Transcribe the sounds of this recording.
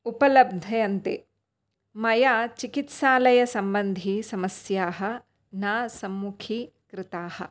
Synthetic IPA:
upɐlɐb̚d̪ʱɐjɐnt̪ḛː | mɐjaːt͡ʃikit̪ʃaːlɐjɐsɐmbɐnd̪ʱisɐmɐsjaːɦɐ̆ | naːsɐmːukʰi | kɾɪt̪aːhɐ̰̆

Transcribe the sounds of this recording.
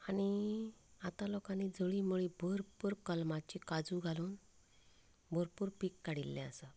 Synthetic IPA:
aɽ̃i | at̪alɔkanid͡zoɭiməɭibʱoɾpuɾkəlmat͡ɕikad͡zuɡʱaluːn | bʱoɾpuːɾpikːaɽilːɛ̃əsə

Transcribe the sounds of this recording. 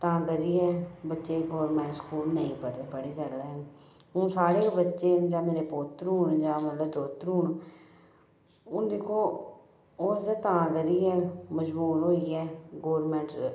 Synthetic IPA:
t̪ãːɡəɾiːɛːbətːʃeːɡoːɾmɛ̃ːɳʈskuːlnəĩːpəɽd̪eːpəɽeːsəɡd̪ɛ | ũːsaːɽeːbətːʃeːd͡ʒãːmeːɾeːpoːt̪ɾuːnd͡ʒãːmət̪ləbt̪oːt̪ɾuːn | ʊ̃ːd̪eːkʰoː | oːzət̪ãːɡəɾiːɛːməd͡ʒbuːlɦoːiɛːɡoːɾmɛ̃ːɳʈ

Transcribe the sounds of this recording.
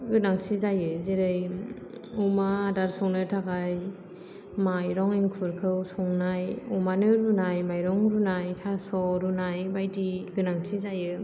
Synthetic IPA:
ɡɯnaŋsʰizajɯzeɾɯj | ɔmadaɾsɔŋnɯtʰaɡaj | majɾɔŋiŋkʰuɾkʰɯwsɔŋnajɔmanɯɾunajmajɾɔŋɾunajtʰasɔɾunajbajdiɡɯnaŋsʰizajɯ

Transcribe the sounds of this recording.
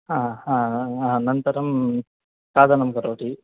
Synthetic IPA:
ahãːaanɐnt̪ɐɾɐm | t̪aːd̪ʱanɐmkɐɾoːʈi

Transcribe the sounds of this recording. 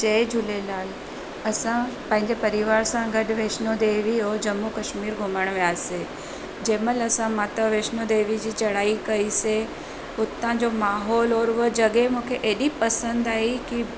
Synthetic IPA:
t͡ɕɐd͡ʑʊlelaːl | ɐsãpɐ̃ɦɪ̃ɲd͡ʑepɐɾɪʋaːɾsãɡɐɗʋeːʃnod̪eːʋiɦod͡ʑɐmːukɐʃmiːɾɡʱʊməɽ̃ʋijaːse | d͡ʑeːməlɐsãmaːt̪əʋeːʃnod̪eːʋid͡ʑiːt͡ɕɐɽaːikɐise | ʊt̪ãd͡ʑomaːɦɔːlɔːɾʋəd͡ʑɐɠemũːkʰeʔeːɗipɐsə̃nd̪aːɦiki

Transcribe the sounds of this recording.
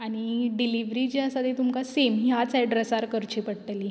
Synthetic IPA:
añiɖiliʋɾid͡ʑiasad̪et̪umkasemɦjat͡sɛɖɾəsaɾkəɾt͡ɕipəɽʈ̪əli

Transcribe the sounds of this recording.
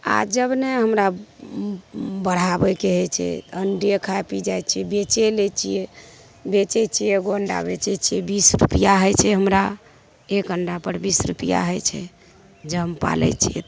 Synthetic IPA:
a̰d͡ʒəbneɦəmɾa | bəɽ̤abɛkeɦɔjt͡ʃʰɛ̰əɳɖiekʰapid͡ʒajt͡ʃʰijɛbet͡ʃelet͡ʃʰije | bet͡ʃɛt͡ʃʰijeɡoəɳɖa̰bet͡ʃɛt͡ʃʰijɛbisɾṵpijaɦɔjt͡ʃʰɛɦəmɾa | ekəɳɖapəɾbisɾupija̰ɦɔjt͡ʃʰɛ̰ | d͡ʒəmpa̰lɛ̰t͡ʃʰijɛ̰t̪

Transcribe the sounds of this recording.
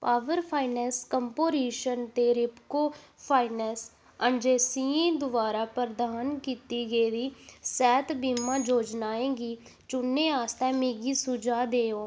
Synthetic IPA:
paːʋəɾpʰaːɪnɛːskəmpoːɾiːʃənt̪eːɾɪpkoːpʰaːɪnɛs | əɳd͡ʒeːsiːẽːd̪ʊʋaːɾaːpəɾd̪aːnkiːt̪iːɡəːd̪iːsɛːt̪biːmãːd͡ʒoːd͡ʒnaːẽːɡiːt͡ʃʊnːeːaːst̪ɛːmeːɡiːsʊd͡ʒaːd̪eːoː

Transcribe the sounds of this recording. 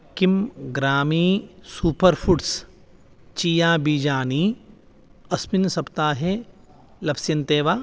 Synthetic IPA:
kimɡɾaːmiːsuːpəɾpʰuʈs | t͡ʃiːjaːbiːd͡ʒaːniː | ɐsminsɐpt̪aːɦe | lɐpsjɐnt̪eːʋaː

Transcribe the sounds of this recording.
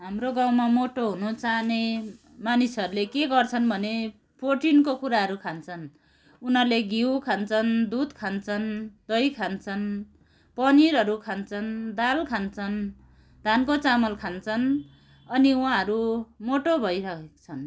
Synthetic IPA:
ɦamɾoɡãw̃mamoʈoɦunut͡sane | manisʌɾulekeɡʌrt͡sʰʌnbʱʌne | proʈinkokuɾaɦʌɾukʰant͡sʰʌn | unʌleɡiwkʰant͡sʰʌnd̪ud̪kʰant͡sʰʌnd̪ʌjkʰant͡sʰʌn | pʌniɾʌɾukʰant͡sʰʌnd̪alkʰant͡sʰʌn | d̪ʱankot͡samʌlkʰant͡sʰʌn | ʌniwãɦʌɾumoʈobʱʌjɾʌkʰekt͡sʰʌn

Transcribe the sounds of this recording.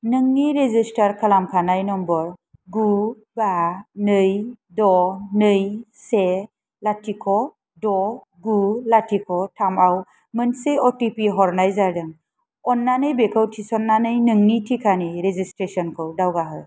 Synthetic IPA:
nɯŋːiɾezistaɾkʰəlamkʰanajnɔmbɔɾ | ɡu | banɯj | dɔnɯj | se | latʰikʰɔ | dɔ | ɡulatʰikʰɔtʰamaw | mənsejɔtipiɦɔɾnajzaɾdɯŋ | ɔnːanɯjbekʰɯwtʰisɔnːanɯjnɯŋnitʰikʰaniɾezistɾesɔnkʰɯwdawɡaɦɯ

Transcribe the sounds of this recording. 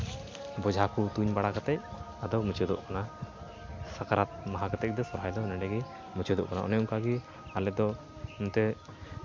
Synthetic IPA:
bɔd͡ʒʱakut̪uɲbaɽakat̪ɛc̚ | ad̪ɔmut͡ʃɔd̪ɔ̰ʔkana | sakaɾat̪̚maɦakat̪ɛc̚d̪ɛsɔɾɦajd̪ɔnɛɖɛɡi | mut͡ʃɔd̪ɔ̰ʔkanaʔɔ̰nɛɔŋkaɡi | alɛd̪ɔ | unt̪ɛ

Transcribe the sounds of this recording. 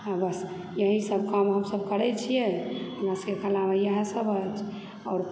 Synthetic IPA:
abəs | jəɦisəbkəmɦəmsəbkəɾɛt͡ʃʰijɛɦəmasəkekʰəlaməjəɦə̃səbət͡ʃʰ | ɔːɾ

